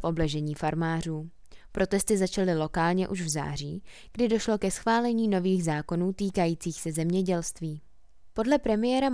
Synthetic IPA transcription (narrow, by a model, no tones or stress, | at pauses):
fʔo̞blɛʒɛɲiːfaɾmaːr̝uː | pɾo̞t̪ɛst̪ɪzat͡ʃalɪlo̞kaːlɲɛʔuʒvza̰ːr̝ḭː | ɡ̥dɪdo̞ʃlo̞kɛsxvaːlɛɲiːno̞viːɣzaːko̞nuːt̪iːkajiːt͡siːxsɛzɛmɲɛɟɛlst̪viː | po̞dlɛpɾɛmɪjɛːɾa